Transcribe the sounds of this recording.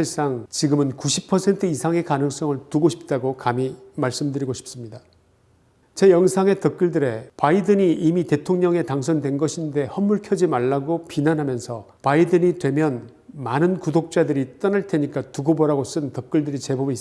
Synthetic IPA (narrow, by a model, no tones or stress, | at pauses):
iɭs͈aŋt͡ɕiɡɯmɯnkuɕʰi̥pʰʌsʰe̞ntʰɯisʰaŋe̞kanɯŋs͈ʌŋɯɭtuɡoɕʰi̥p̚t͈aɡokamimaɭs͈ɯmdɯɾiɡoɕʰi̥p̚s͈ɯmɲida | t͡ɕe̞jʌŋsʰaŋe̞tʌk̚k͈ɯɭdɯɾe̞paidɯɲiimite̞tʰoŋɲʌŋe̞taŋsʰʌndwe̞nɡʌɕʰinde̞hʌmːuɭkʰjʌd͡ʑimaɭːaɡopinanɦamjʌnsʰʌ | paidɯɲidwe̞mjʌn | manɯnkudok̚t͡ɕ͈adɯɾit͈ʌnaɭtʰe̞ɲik͈atuɡobʌɾaɡos͈ɯntʌk͈̚ɯɭdɯɾit͡ɕe̞bobis